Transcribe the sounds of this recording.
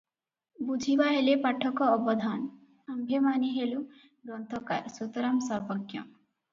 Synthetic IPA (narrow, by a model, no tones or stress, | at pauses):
bud͡ʒʱibaɦelepaʈʰːɔkɔːbɔd̪ʱan | ambʱjemaniɦelu | ɡɾɔnt̪ʰɔkaɾsut̪ɔɾamsɔɾbɔkjɔ̰